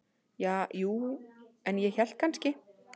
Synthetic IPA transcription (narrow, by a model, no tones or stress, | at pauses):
jaːjuːɛnjɛçɛl̥t̪̚kʰanscɪ